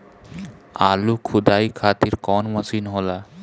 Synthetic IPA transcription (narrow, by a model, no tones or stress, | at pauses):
alukʰud̪ajkʰat̪iɾkɔnmasinɦɔla